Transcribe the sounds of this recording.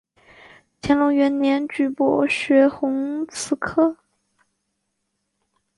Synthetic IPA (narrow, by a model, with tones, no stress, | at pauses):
t͡ɕʰjɛ˧˥nlʊ˧˥ŋɥɛ˧˥nnjɛ˧˥nt͡ɕy˧˥˩pɔ˨˩ɕɥɛ˧˥xʊ˧˥ŋt͡sʰɹ̩˧˥kʰɤ˥˩